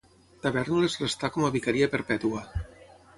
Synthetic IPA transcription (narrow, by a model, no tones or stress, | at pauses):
t̪aβɛɾnulezrest̪akɔmaβikaɾiapəɾpɛt̪ua